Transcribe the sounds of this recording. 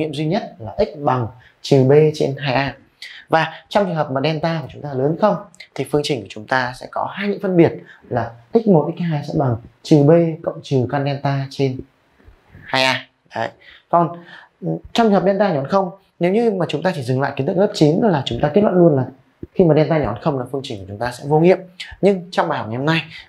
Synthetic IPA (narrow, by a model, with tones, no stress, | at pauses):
ŋḭ˧˨əmzwi˧ɲə˦˥t̚laː˨˩ʔï˦˥k̟̚ɓa˨˩ŋ | t͡ɕɨ˨˩ɓe˧t͡ɕḛ˧nɦaː˧jʔaː˧ | vaː˨˩t͡ɕɔ˧wŋ͡mt͡ɕɨ˨ŋɦəː˨˩pmaː˨˩ɗɛ˧nt̪aː˧aː˨˩t͡ɕʊ˨˦ŋ͡mt̪aː˧ləː˨˦nxə˧wŋ͡mt̪ʰi˨˩fɨ˧əŋt͡ɕï˨˩ŋ̟kt͡ɕʊ˨˦ŋ͡mt̪aː˧sɛ̰˧˥kɔ˨˦haː˧jɲɨ̰˧˥ŋfə˧nɓi˨˩ət̚laː˨˩ʔï˦˥k̟̚mo˨˩ʔï˦˥k̚ɦaː˧jsɛ̰˧˥ɓa˨˩ŋt͡ɕɨ˨˩ɓe˧kə̰˧˨wŋ͡mt͡ɕɨ˨˩kaː˧nɗɛ˧nt̪aː˧t͡ɕe˧n | haː˧jʔaː˧ | ə˨˦j | kɔ˧˩n˨ | t͡ɕɔ˧wŋ͡mt͡ɕːh̚ɗɛ˧nt̪aː˧ɲɔ˨˦nxə˧wŋ͡m | ne˨˦wɲɨ˧maː˨˩t͡ɕʊ˨˦ŋ͡mt̪aː˧t͡ɕi˧˩zɨ˨˩ŋla̰ː˧˨jki˨˦t̪ɨ˦˥k̚lə˦˥p̚t͡ɕi˨˦n˨˦laː˨˩t͡ɕʊ˨˦ŋ͡mt̪aː˧ke˦˥t̚wa̰˧˨nlənlaː˨˩ | xi˧maː˨˩ɗɛ˧nt̪aː˧ɲɔ˨˦nxə˧wŋ͡mlaː˨˩fɨ˧əŋt͡ɕï˨˩ŋkt͡ɕʊ˨˦ŋ͡mt̪aː˧sɛ̰˧˥vo˧ŋḭ˧˨əmɲɨ˧ŋt͡ɕɔ˧ŋ͡mɓaː˨˩jhk͡p̚ŋ˨˩hə˧mna˧j